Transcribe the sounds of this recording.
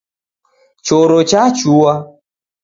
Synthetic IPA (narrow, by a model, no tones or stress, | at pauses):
t͡ʃoɾot͡ʃat͡ʃuwa